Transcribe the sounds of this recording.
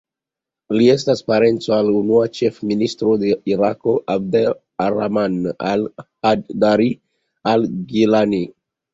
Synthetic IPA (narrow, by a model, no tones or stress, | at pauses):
lie̞staspaɾe̞nt͡so̞alunuat͡ʃe̞fministɾo̞de̞iɾako̞ʔab̚de | aɾamana̰lhaddaɾi | alɡilani